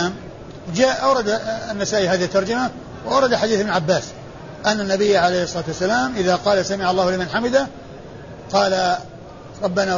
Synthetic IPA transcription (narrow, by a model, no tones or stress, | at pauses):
aːm | d͡ʒaːʔʔawɾˤɑd̪nːasaːʔiɦaːðɪhɪt̪ːɑɾˤd͡ʒama | wʔawɾˤɑd̪aħad̪iːθɪbnʕabːaːs | ʔanːanːabɪjːaʕalejhɪsˤːɑlɑːt̪wasːalaːmʔɪðaqɑːlasamɪʕalˤːɑːhlɪmanħamɪd̪a | qɑːla | ɾˤɑbːanaː